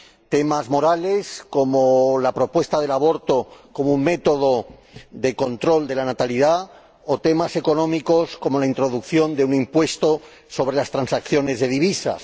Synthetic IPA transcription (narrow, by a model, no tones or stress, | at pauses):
t̪e̞mazmo̞ɾale̞sko̞molapɾo̞pwe̞st̪að̞e̞laβo̞ɾt̪o̞ko̞mouŋme̞t̪o̞ð̞o̞ | d̪e̞ko̞nt̪ɾo̞ld̪e̞lanat̪aliða | ot̪e̞mase̞ko̞nõ̞miko̞sko̞mo̞laint̪ɾo̞ðukθjo̞nd̪e̞unimpwe̞st̪o̞ | so̞βɾe̞last̪ɾansakθjo̞ne̞zðe̞ðiβ̞isa̰s